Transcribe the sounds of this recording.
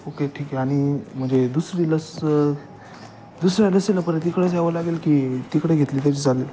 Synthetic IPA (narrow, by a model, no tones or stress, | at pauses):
okeʈʰiːkɛaɽ̃im̤əɳd͡zed̪usɾiləs | d̪usɾjaləseləpəɾat̪ikɽes̬aʋəlaɡelkiːt̪ikɽeɡʱet̪liːt̪̬jat͡ɕiːd͡zalel